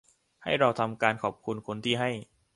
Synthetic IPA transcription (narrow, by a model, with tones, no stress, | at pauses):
ha˥˩jɾa˧wt̪ʰa˧mkaː˧nkʰɔː˨˩p̚kʰu˧nkʰo˧nt̪ʰiː˥˩ɦa˥˩j